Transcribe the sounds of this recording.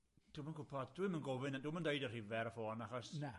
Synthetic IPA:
d̥uːmənkʊpʰɔddwimənɡɔvɪnaduːməndejdəriːvɛɾəfoːnaχɔsna

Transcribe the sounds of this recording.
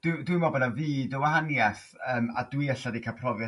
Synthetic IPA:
d̥wɪdwimɔbɔnaviːdəwahanjaθ | əːma̰dwiəɬadikʰapʰrɔvjɛ

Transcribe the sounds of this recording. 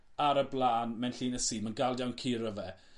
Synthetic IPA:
aɾəblaːnmɛnɬiːnəsiːmənɡalˠjawnkʰiːɾəvɛ

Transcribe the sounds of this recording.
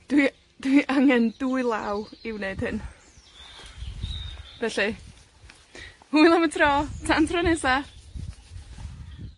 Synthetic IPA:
d̥wi | d̥wiʔaŋɛnduɨlˠawɪwneɨd̥hɨn | v̥ɛɬi | hujlˠamətʰrɔːtʰantʰrɔnɛsa

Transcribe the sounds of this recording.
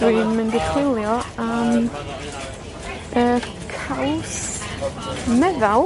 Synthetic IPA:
winməndɪχwɪlˠjɔam | ə | kʰaws | mɛðal

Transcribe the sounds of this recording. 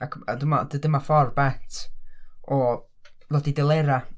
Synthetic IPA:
akʰadəmadədəmafɔrbɛtʰ | ɔ | lɔdidɛlˠeɾa

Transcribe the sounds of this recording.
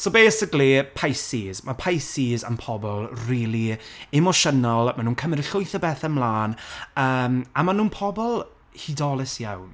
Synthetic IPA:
sobeːsɪklipʰajsiːzmapʰajsiːza̰mpʰɔbɔlˠriːlˠiɪmɔʃənɔlˠmanuːnkʰəmɛɾɪɬʊjθəbɛθəmlˠaːnəːmamanuːnpʰɔbɔlˠ | hidɔlˠɪsjawn

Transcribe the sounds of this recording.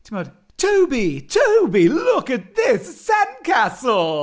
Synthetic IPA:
tʰimɑd | tʰoʊbitʰoʊbilʊkɨt̪̚ðɪsːæ̃nkʰæsl̩ˠ

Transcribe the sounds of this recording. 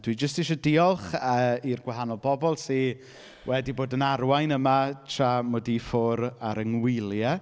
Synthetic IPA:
d̥ʰwid͡ʒəstɪʃɔdɪɔlˠχəirɡwaɦanɔlˠbɔbɔlˠse | wʔɛdiboːdənarwajnəmatʰramɔdifʊɾaɾəŋwɪlˠjɛ

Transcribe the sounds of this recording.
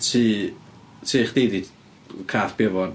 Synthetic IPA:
tʰiː | tʰiːχd̥ejdi | kʰaːθb̥ɛvɔn

